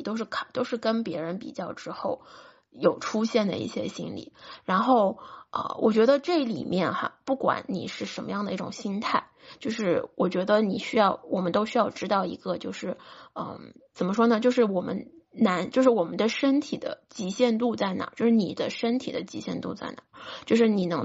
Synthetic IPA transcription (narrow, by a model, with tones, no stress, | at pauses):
t̪o˥ʊʂɻ̩˥˩kʰt̪o˥ʊʂɻ̩˥˩kə˥npjɛ˧˥ɻə˧˥npḭ˨˩t͡ɕjɑ˥˩ʊʈ͡ʂɻ̩˥xo˥˩ʊ | jo˨˩ʊʈ͡ʂʰu˥ɕjɛ˥˩nd̪ə̰˩ḭ˥˩ɕjɛ̰˥ɕḭ˥nlḭ˨˩˦ɻa˧˥nxo˥˩ʊə̰˧˩wʔɔ̰˨˩t͡ɕɥɛ˧˥d̪ə˧ʈ͡ʂɤ˥˩lḭ˨˩mjɛ˥˧nxɐ̰˧pu˥˩kwa̰˧˥nnḭ˨˩ʂɻ̩˥˩ʂə˧˥nmə˧jɑ˥˩ŋd̪ə˩i˥˩ʈ͡ʂʊ̰˨˩ŋɕi˥nt̪ʰa˥˩ɪt͡ɕjo˥˧ʊʂɻ̩˥˩wʔɔ˨˩t͡ɕɥɛ˧˥d̪ə˧ni˨˩ɕy˥jɑ˥˩ʊwɔ˨˩mə˦nt̪o˥ʊɕy˥jɑ˥˧ʊʈ͡ʂɻ̩˥t̪ɑ˥˩ʊḭ˧˥ɡə˧t͡ɕjo˥˧ʊʂɻ̩˥˩ə̰˧˩t͡sə˨˩nmə˦ʂwɔ˥nə˨t͡ɕjo˥˧ʊʂɻ̩˥˩wɔ˨˩mə̰˦n | na˧˥nt͡ɕjo˥˧ʊʂɻ̩˥˩wɔ˨˩mə˦nd̪ə˧ʂə˥nt̪ʰi˨˩d̪ə̰˦t͡ɕi˧˥ɕjɛ˥˧nt̪u˥˧t͡sa˥˩ɪna̰˨˩˦t͡ɕjo˥˧ʊʂɻ̩˥˩ni˨˩d̪ə˦ʂə˥nt̪ʰi˨˩d̪ə˦t͡ɕi˧˥ɕjɛ̰˥˧nt̪ṵ˥˧t͡sa̰˥˩ɪna˨˩˦t͡ɕjo˥˧ʊʂɻ̩˥˩ni˨˩nɤ˧˥ŋ